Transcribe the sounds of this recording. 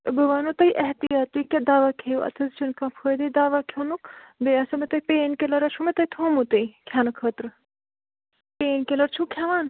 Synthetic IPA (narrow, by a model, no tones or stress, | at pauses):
bɨʋaːnut̪ɐjʔɐɦt̪ijaːt̪ːukʲed̪aːʋakʰejuɐ̰t̪ʰɨzt͡ʃʰɨnkãpʰoːjd̪ɐd̪aːʋakʲʰjonukbeasɐmet̪ɐjpeːnkelɐɾɐt͡ʃʰumet̪ɐjt̪ʰoːmut̪ɐjkʰʲanɐkʰəːt̪ɾɨ | peːnkelɐɾt͡ʃʰukʰaʋaːn